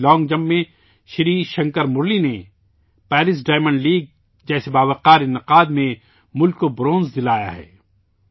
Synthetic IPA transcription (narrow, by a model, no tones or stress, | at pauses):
lɔːŋɡd͡ʒɐ̃mːẽ | ʃɪɾiːʃɐ̃ŋkəɾmʊɾline | pɛːɾɪs̬ɖaːɪmə̃ɳɖliːɡ̚ | d͡ʒɛːsebaːʋəqaːɾɪnɪqaːd̪mẽ | mʊlkːobɾõːnzd̪ɪlaːja̰ɦɛ̰ː